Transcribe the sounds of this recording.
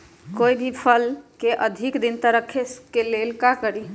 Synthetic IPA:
kojd̪ipʰəlkeʔəd̪ʱikd̪int̪əɾəkʰeskelelkakəɾi

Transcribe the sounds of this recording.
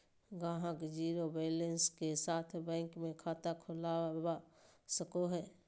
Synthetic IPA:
ɡãːɦəkd͡ʒiːɾobeːlənskesaːt̪ʰbɛ̃ːŋkmẽkʰaːt̪akʰʊlaːbasəkoɦɛː

